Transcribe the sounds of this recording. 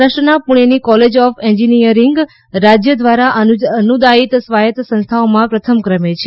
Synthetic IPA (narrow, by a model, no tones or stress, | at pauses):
əʃənapuɽ̃enikɔled͡ʒɔfɛɲd͡ʒinijəɾiŋɡ | ɾad͡ʒjəd̪ʋaɾaʔəənud̪ait̪sʋajət̪sə̃nst̪ʰaomãpɾət̪ʰəmkɾəmet͡ʃʰe